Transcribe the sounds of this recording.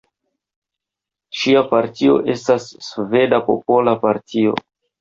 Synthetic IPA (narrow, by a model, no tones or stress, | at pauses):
ʃiapaɾtio̞̰ʔe̞stasːve̞dapo̞̰po̞lapaɾtio̞̰